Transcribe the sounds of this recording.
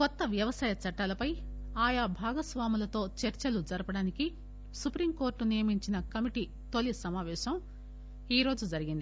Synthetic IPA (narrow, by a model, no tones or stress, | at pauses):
kɔt̪ːɐʋjɐʋɐsaːjɐt͡ʃɐʈːaːlɐpɐj | aːjabʱaːɡɐsʋaːmulɐt̪o̞ːt͡ʃɐɾt͡ʃɐlud͡ʒɐɾɐpɐɽaːniki | supɾiːmko̞ːɾʈːunijɐmiɲt͡ʃinɐkɐmiʈi | t̪o̞lisɐmaːʋɛːʃɐm | iːɾo̞ːd͡ʒud͡ʒɐɾiɡind̪i